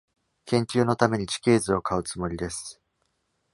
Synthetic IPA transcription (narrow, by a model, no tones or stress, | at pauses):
kẽ̞ɲ̟t͡ɕʲɨːno̞t̪ame̞ɲ̟it͡ɕi̥kʲe̞ːzɨo̞kaɯ̟t͡sɨmo̞ɾʲid̪e̞sɨ̥